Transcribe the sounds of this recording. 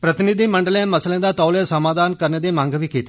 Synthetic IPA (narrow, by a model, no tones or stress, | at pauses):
pɾət̪ɪnid̪iːməɳɖəlẽməslẽːd̪aːt̪ɔːleːsəmaːd̪aːnkəɾneːd̪eːmãːŋɡʋiːkiːt̪eː